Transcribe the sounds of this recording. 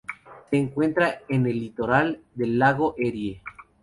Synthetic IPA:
seːŋkwe̞nt̪ɾaene̞lːit̪o̞ɾald̪e̞lːaɣo̞ʔeɾje

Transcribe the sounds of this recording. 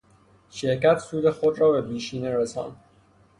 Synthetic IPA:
ʃeɾkæt̪suːd̪exod̪ɾɒːbepiːʃiːneɾesɒ̰ːn

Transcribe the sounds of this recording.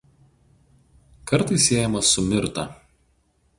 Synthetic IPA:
kɐɾt̪ɐɪsʲeːjɛmɐsʊmʲɪɾt̪ɐ̰ˑ

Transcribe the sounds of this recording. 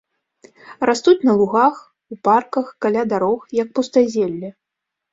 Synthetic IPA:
rast̪ut͡sʲnɐlˠuɣax | uparkɐxkalʲad̪aɾɔxjɐk̚pust̪azʲelʲːɛ

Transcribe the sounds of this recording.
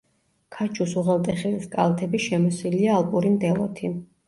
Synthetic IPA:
kʰat͡ʃʰusuʁɛlˠt̪ʼɛχiliskʼalˠat̪ʰɛbiʃɛmɔsiliaːlˠpʼuɾimd̪ɛlˠɔ̰t̪ʰi

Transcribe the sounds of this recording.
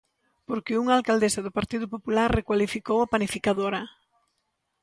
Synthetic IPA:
poɾkɪuŋalkald̪esɐðʊpaɾt̪iðʊpopulaɾrekwalifikowapanifikaðoɾɐ

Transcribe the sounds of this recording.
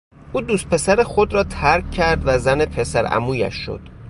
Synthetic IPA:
ʔuːd̪uːst̪̚pe̞sæɾexod̪ɾɒːt̪ʰæɾkcʰːæɾd̪væzænepʰe̞sæɾæ̰muːjæ̰ʃːo̰d̪̥

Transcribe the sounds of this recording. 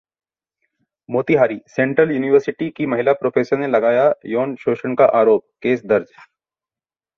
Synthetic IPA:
moːt̪iɦaːɾiːsɛ̃ːɳʈɾəljuːnɪʋəɾsɪʈikimɐɦɪlapɾoːfʰeːsəɾnelɐɡaːjajoːnʃoːʃənkaʔaːɾoːp̚keːsd̪ɐɾd͡ʒ

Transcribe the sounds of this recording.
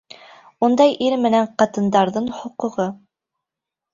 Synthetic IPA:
und̪ɑjʔiɾmɘ̆næɴqɑt̪ɤ̆nd̪ɑɾðɤɴhŏqŭʁɤ

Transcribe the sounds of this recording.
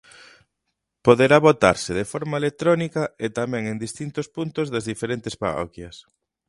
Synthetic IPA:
poðeɾaβot̪a̰ɾsɪðefɔɾmaelet̪ɾɔnikɐet̪amɛ̃ŋend̪ist̪int̪ospunt̪ʊzðɐzðifeɾent̪espa̰rɔ̰kjɐs

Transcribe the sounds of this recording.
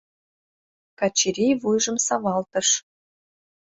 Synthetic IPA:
kɑt͡ɕiɾʲejvujʒə̆msɑβɑlt̪ə̆ʃ

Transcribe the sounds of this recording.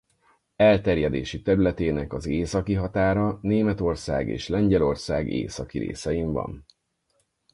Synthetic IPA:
ɛlt̪ɛrjɛd̪eːʃit̪ɛɾylɛt̪eːnɛkɒzeːsɒkiɦɒt̪aːɾɒneːmɛt̪o̞rsa̰ːɡḛːʃlɛɲɟɛlo̞rsaːɡḛːsɒkiɾḛːsɛjimvɒ̰n

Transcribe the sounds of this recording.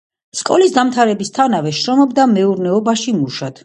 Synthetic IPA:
skʼɔ̰lisd̪amt̪ʰaɾɛbist̪ʰanavɛʃɾɔmɔbd̪amɛuɾnɛɔbaʃimuʃat̪

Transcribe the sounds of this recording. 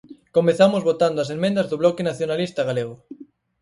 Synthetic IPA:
komeθamozβot̪and̪oasemẽnd̪ɐzðoβlɔkenaθjonalist̪aɣaleɣ̞ʊ

